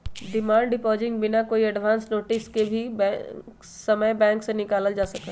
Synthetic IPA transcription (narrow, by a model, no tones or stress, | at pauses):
d̪ɪmãːɳɖɪpɔːd͡ʒɪ̃ŋɡ̚bɪnakoːiɐɖʋãːnsnoːʈɪskebʱibk | sɐməjbɛ̃ːŋksenɪkaːləld͡ʒaːsɐkaː